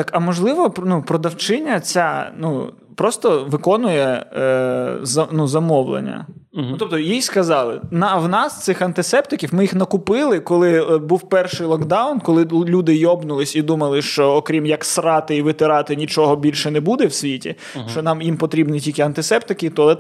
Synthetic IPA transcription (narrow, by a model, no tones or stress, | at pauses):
ɑkɐmɔʒlˠɪʋɔpnupɾɔd̪ɐwt͡ʃɪnʲːɐt͡sʲanu | pɾɔst̪ɔʋɪkɔnʊjɛ | zɐnuzɐmɔwlˠḛnʲːɐ̰t̪ɔp̚t̪ɔjijskɐzɑlˠɪ̰nɑwnɑst̪sɪxɐnt̪ɪsɛp̚t̪ɪkʲiwmɪjixnɐkʊpɪlˠɪkɔlˠɪbuwpɛrʃɪjlˠɔkd̪ɑʊnkɔlˠɪlʲud̪ɪjɔbnʊlˠɪsʲid̪umɐlˠɪʃt͡ʃɔːkɾʲimjɐksrɑt̪ɪiʋɪt̪ɪɾɑt̪ɪnʲit͡ʃɔɦɔbʲilʲʃɛnɛbud̪ɛwsʲʋʲitʲḭ | t͡ʃɔnɑmjimpɔt̪ɾʲibnitʲilʲkɛɐnt̪ɪsɛp̚t̪ɪkʲɪt̪ɔlˠɛ